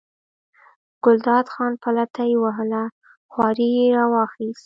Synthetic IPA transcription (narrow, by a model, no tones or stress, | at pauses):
ɡ̥ʊld̪ɑd̪xɑnpalat̪ajwaɦəla | xwɑɾijeɾɑwɑxist̪